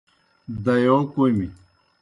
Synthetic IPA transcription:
d̪ɐjoːkoimi

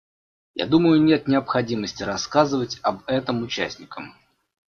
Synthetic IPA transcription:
ja̰d̪uməjʊnʲe̞t̪nʲɪɐpxɐdʲiməsʲtʲɪɾɐskazɨvətʲɐbɛt̪əmʊt͡ɕæ̰sʲnʲɪkəm

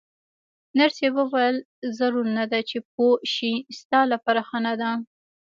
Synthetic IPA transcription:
naɾsewəwajəl | zaɾuɾnad̪at͡ʃep̚oʃist̪ɑlapaɾaxanad̪a

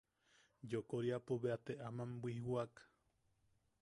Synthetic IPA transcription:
jokoɾiapoβeat̪eʔamambʷihwak

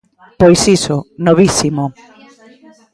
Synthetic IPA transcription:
pojsisʊnoβisimo

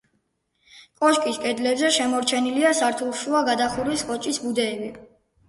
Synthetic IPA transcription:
kʼɔʃkʼiskʼɛd̪lɛbzɛʃɛmɔɾt͡ʃʰɛniliasaɾt̪ʰulˠʃuaɡad̪aχuɾwiskʼɔt͡ʃʼisbud̪ɛːbi

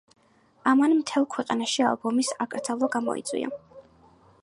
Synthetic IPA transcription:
amanmt̪ʰɛlˠkʰwɛqʼanaʃia̰lˠbɔmisakʼɾd̪zalˠɔɡamɔ̰ḭt̪sʼwḭa̰

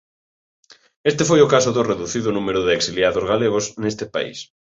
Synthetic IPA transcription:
est̪efojokasoðoreðuθiðonumeɾʊðeːksiljaðozɣaleɣ̞osnest̪epa̰ḭs

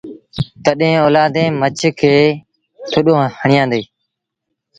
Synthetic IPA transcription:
t̪əɗẽːoːlaːd̪ẽːmət͡ʃʰkʰeː | t̪ʰʊɗõːhəɳɪjãːd̪eː

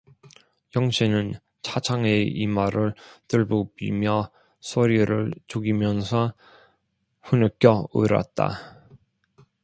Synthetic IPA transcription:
jʌŋɕʰinɯn | t͡ɕʰat͡ɕʰaŋeḭmaɾɯɭtɯɭbobḭmjʌ | sʰoɾiɾɯɭt͡ɕoɡimjʌnsʰʌ | ɸunɯk͈jʌɯ̰ɾa̰t̚t͈a̰

